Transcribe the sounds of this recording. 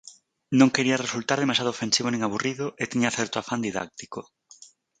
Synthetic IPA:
nõŋkeɾiɐresult̪aɾð̞emaʃjaðofensiβ̞onẽŋaβuriðʊʔet̪iɲaθɛɾt̪oafand̪iða̰k̚t̪i̥ko

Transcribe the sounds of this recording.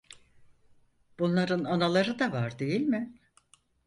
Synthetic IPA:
b̥unlˠaɾɯnanalˠaɾɯd̪avaɾd̪e̞jilʲmɪ

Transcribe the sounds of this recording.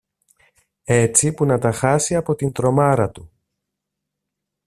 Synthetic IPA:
e̞t͡sipunɐt̪ɐxɐsiɐpo̞t̪int̪ɾo̞mɐɾɐt̪u

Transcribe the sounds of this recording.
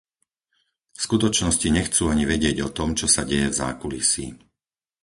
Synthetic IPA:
skut̪ɔt͡ʃnɔsciɲɛxt͡suːaɲiʋɛɟɪɛɟɔt̪ɔmt͡ʃɔsaɟɛjɛvza̰ːkulisḭː

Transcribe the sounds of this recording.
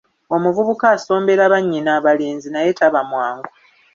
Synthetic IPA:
o̞muvuβukaːso̞ːmbe̞ɾaβaɲːinaβaleːnzinajetaβamwaːŋɡo

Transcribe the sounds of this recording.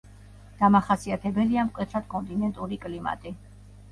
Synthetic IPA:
d̪̥amaχasiat̪ʰɛbɛliamkʼwɛt̪ʰɾad̪̥kʼɔnt̪ʼinɛnt̪ʼuɾikʼlima̰t̪ʼi

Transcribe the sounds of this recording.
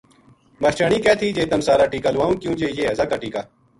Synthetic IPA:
mɐt͡ʃaːɳ̃iːkɛːt̪ʰiːd͡ʒeːt̪əmsaːɾaːʈiːkaːlʋaːũːkjũːd͡ʒeːjeːɦɐzaːkaːʈiːkaː

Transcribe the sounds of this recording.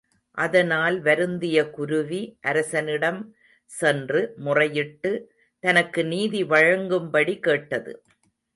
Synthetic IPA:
ʔɐðɐnaːlʋɐɾɯnd̪ɪjɐkʊɾɯʋiʔɐɾɐsɐnɪɽɐm | sɛndrɯmʊrɐjɪʈːɯ | t̪ɐnɐkːɯniːðiʋɐɻɐŋɡɯmbɐɽikeːʈːɐðɯ̰

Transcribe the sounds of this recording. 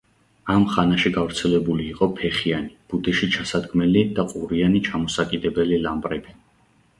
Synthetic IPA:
amχanaʃiɡavɾt̪sʰɛlɛbuliːqʼɔpʰɛχianib̥ud̪iʃit͡ʃʰasad̪ɡmɛlid̪̥aqʼuɾianit͡ʃʰamɔsakʼid̪ɛbɛlilambʼɾɛbi

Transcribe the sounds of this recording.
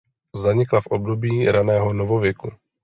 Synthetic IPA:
zaɲɪklafʔobdobiːɾanɛːɦonovovjɛku

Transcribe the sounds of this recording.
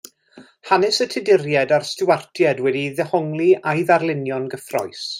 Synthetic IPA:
hanɪsətʰɪdɪrjɛdarstɪwartʰjɛdwɛdiðɛhɔŋlˠiajðarlˠɪnjɔnɡəfrɔ̰js

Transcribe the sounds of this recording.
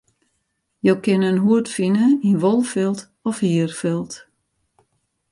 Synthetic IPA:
jowkɪnənɦuətfinəinʋolˠfɪlˠt | ɔfhiərfɪlˠt

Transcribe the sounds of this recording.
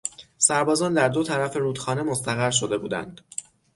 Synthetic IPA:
sæɾbɒːzɒːnd̪æɾd̪o̞t̪ʰæɾæfe̞ɾuːd̪xɒːne̞mo̞st̪æɣæɾʃ̬o̞d̪e̞buːd̪æ̰nd̪̥

